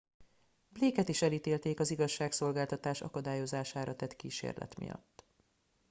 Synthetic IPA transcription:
bleːkɛt̪iʃɛlit̪eːlt̪eːkɒziɡɒʃːaːkso̞lɡaːlt̪ɒt̪aːʃɒ̰kɒd̪aːjo̞zaːʃaːɾɒt̪ɛt̪kiːʃḛːrlʔɛ̰t̪mḭjɒ̰t̪ː

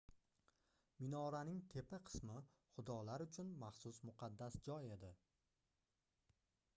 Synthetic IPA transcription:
mɪnɒɾanɪŋt̪ʰe̞pʰaqʰɨ̥smɪ | χʊd̪ɒlaɾʊt͡ʃʰʊnmaχsʊsmʊqʰɑd̪ːasd͡ʒɒje̞d̪ɪ

